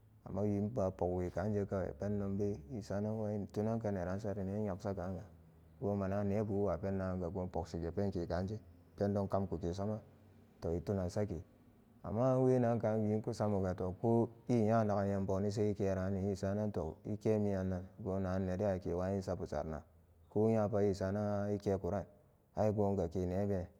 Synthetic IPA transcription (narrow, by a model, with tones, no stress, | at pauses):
a̰˨mːa˦wi˨˦n˦ba˨po˨kwi˨ka˨˦nd͡ʒe˦ka˦wḛ˨pe˦n˦no˦mbe˦i˦sa˦na˦n˦wa˦i˦n˨tu˦na˦nka˦ne˨ɾa˨˦n˦sa˦ɾi˨ne˦ɲa˨ksa˦ka˨˦ŋ˦ɡa˨ | ɡo˦ma˨na˦ne˨˦bu˨˦wa˨pe˦nːa˨˦ŋ˦ɡa˨ɡo˦po˨ksi˨ɡe˨pe˦nki˨ka˨˦nd͡ʒe˦ | pe˦ndo˦ŋka˦mku˨ke˨s̬a˦ma˦ | to˨i˨tu˦na˨sa˦ke˨ | a̰˨mːa˦we˦na˦ŋ˦ka˨˦˨i˦nku˦sa˦mu˨ɡa˨to˨ko˦i˦˨ja˦˨na˨ka˨je˦m˦bo˨˦ni˦s̬e˦i˦ke˦ɾa˨˦ni˨ji˦˨sa˦na˦nto̰˨ḭ˦ke˦mi˦ja˨nːa˨n˨˦ɡo˦na˨˦nːe˨de˦a˨ke˨wa˦ji˦sa˦pu˨sa̰˨ɾna̰˨ | ko˦ja˦pa˦ji˦˨sa˨na˦i˦ke˦ku˨ɾa˦˨n | a˦i˦ɡo˦ŋɡa˨ke˨ne˨˦be˦